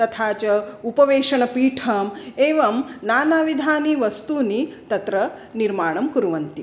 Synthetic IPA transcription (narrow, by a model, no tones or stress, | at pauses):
t̪ɐt̪ʰaːt͡ʃɐupɐʋeːʃɐɳɐpiːʈʰɐmeːʋɐmnaːnaːʋid̪ʱaːniʋɐst̪uːnit̪ɐt̪ɾɐ | niɾmaːɳɐmkuɾuʋɐnt̪i